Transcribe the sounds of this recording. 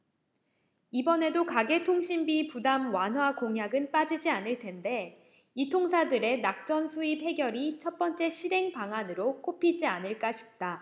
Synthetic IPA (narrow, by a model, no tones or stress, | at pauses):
ibʌne̞dokaɡe̞tʰoŋɕʰimbipudamwanwakoŋɦjaɡɯnp͈ad͡ʑid͡ʑianɯɭtʰe̞nde̞ | itʰoŋsʰadɯɾe̞nak̚t͡ɕ͈ʌnsʰuiphe̞ɡjʌɾit͡ɕʰʌt̚p͈ʌnt͡ɕ͈e̞ɕʰiɾe̞ŋpaŋanɯɾok͈opʰid͡ʑianɯɭk͈aɕʰi̥p̚t͈a